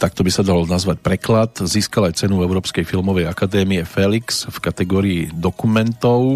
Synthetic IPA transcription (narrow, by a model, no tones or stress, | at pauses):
t̪akt̪ɔbisad̪alɔnazʋac̚pɾɛklat̪ziːskalajt͡sɛnuɛʊɾɔːpskɛjfilmɔʋɛjakad̪ɛːmiɛfɛliksfkat̪ɛɡɔːɾiid̪ɔkumɛnt̪ɔʊ